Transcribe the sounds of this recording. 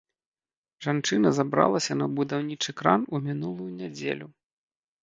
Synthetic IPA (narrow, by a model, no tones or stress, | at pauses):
ʐant͡ʂɨnɐzabɾa̰lˠɐsʲɐnɐbud̪awnʲit͡ʂɨkɾanumʲinulˠujunʲɛd͡zʲḛlʲu